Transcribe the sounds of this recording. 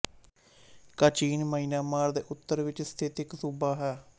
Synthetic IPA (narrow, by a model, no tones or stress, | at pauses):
kət͡ʃiːnməiːnaːmaːɾd̪eːʔʊt̪ːəɾʋɪt͡ʃst̪ʰɪt̪ɪksuːbaːɦɛː